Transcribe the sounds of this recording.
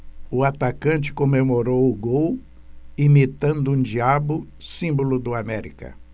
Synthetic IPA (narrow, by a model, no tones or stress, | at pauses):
ʊat̪akɐ̃nt͡ʃɪ̥komemoɾowʊɡow | imit̪ɐ̃nd̪ʊũd͡ʒiabʊ | sĩmbolʊd̪ʊamɛɾḭkɐ̰